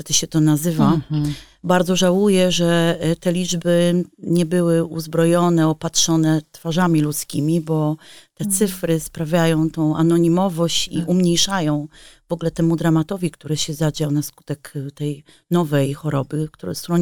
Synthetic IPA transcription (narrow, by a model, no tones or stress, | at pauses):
ɛt̪ɘɕɛt̪ɔnazɘva | baɾd̪zɔʐawujɛʐɛt̪ɛlʲid͡ʐbɘɲɛbɘwɘuzbɾɔjɔnɛɔpatʂɔnɛt̪faʐamʲilut̪skʲimʲibɔt̪ɛt̪sɘfɾɘspɾavʲjajɔ̃w̃t̪ɔ̃w̃anɔɲimɔvɔɕt͡ɕḭʔumɲejʂajɔ̃w̃vɔɡlɛt̪ɛmud̪ɾamat̪ɔvʲikt̪uɾɛɕɛzad͡ʑawnasku̥t̪ɛkt̪ɛj | nɔvɛjxɔɾɔbɘkt̪uɾɔst̪ɾɔ